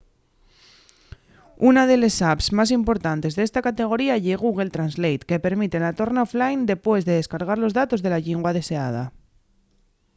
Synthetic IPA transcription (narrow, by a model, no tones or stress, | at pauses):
unað̞e̞lesapsmas̬impo̞ɾt̪ant̪e̞zðee̞st̪akat̪e̞ɣ̞o̞ɾiaʝe̞ɣ̞uɣ̞e̞lt̪ɾanzlejt̪ke̞pe̞ɾmit̪e̞lat̪o̞ɾnaoflajnd̪e̞pwe̞zðe̞ðe̞skaɾɣ̞aɾlo̞zðat̪o̞zðe̞laʎeŋɡwað̞e̞se̞a̰ð̞a̰